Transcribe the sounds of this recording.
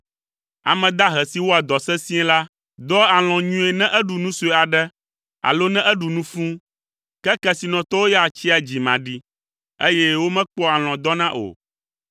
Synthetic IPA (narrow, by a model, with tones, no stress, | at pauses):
a̰˨mɛ̃˨d̪a˦ɦɛ˨si˦wo˦a˨d̪ɔ˨sɛ̃˦sĩ˦ɛ̃˦la˦ | d̪ɔ˦a˨l̃ɔ̃˨ɲũ˦e˨nɛ̃˦ʔɛ˦ɖu˨nũ˦su˦ɛ˨a˨ɖɛ˦ | a̰˨lo˦nɛ̃˦ʔɛ˦ɖu˨nũ˦fũ˦ | kɛ˦kɛ˦si˨nɔ̃˨t̪ɔ˦wo˦ja˨t͡ɕi˦a˨d͡ʑi˨mã˨ɖi˦ | e˦jɛ˦wo˦mɛ̃˦k͡pɔ˦a˨l̃ɔ̃˨d̪ɔ˦nã˦ʔo̰˨